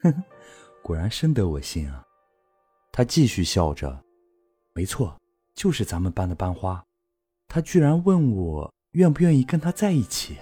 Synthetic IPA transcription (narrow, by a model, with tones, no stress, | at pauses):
kwɔ˨˩ɻa˧˥nʂə˥nd̪ə˧˥wɔ˨˩ɕi˥ŋɐ˩ | t̪ʰa˥t͡ɕi˥˧ɕy˥˧ɕjɑ˥˩ʊʈ͡ʂə̰˩ | me˧˥ɪt͡sʰwɔ˥˩ | t͡ɕjo˥˧ʊʂɻ̩˥˩t͡sa˧˥nmə˨npa˥nd̪ə˨˩pa˥nxwa˥ | t̪ʰa˥t͡ɕy˥˩ɻa˧˥nwə˥˩nwɔ˨˩ | ɥɛ˥˩np̬u˧˥jɥɛ˥˧ni˥˩kə˥nt̪ʰa˥t͡sa˥˧ɪi˥˩t͡ɕʰi˨˩˦